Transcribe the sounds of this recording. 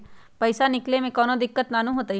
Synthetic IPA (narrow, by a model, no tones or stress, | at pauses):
pɐjsanɪklemẽkɔːnod̪ɪkːət̪naːnũɦoːt̪a